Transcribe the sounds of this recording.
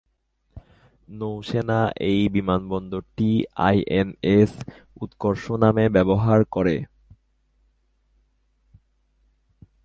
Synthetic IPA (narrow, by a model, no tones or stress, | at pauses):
nowʃenaʔejbimanbɔnd̪oɾʈia̰jʔenes | ut̪koɾʃonamebɛboɦaɾkoɾe